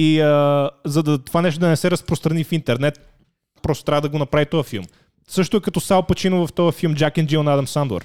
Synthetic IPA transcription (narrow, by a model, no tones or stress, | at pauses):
iəzɐd̪ɐt̪ovanɛʃt̪od̪ɐnɛsɛɾɐspɾost̪ɾɐnifint̪ɛɾnɛt̪̚ | pɾɔst̪o̥t̪ɾʲavəd̪ɐɡonɐpɾavit̪ɔjəfilˠm | sɤʃt̪ʊɛkɐt̪ɔsalˠpɐt͡ʃinʊvɐft̪ɔjəfilˠmd͡ʒakɛnd͡ʒionad̪ɐmsand̪ɐ̰ɾ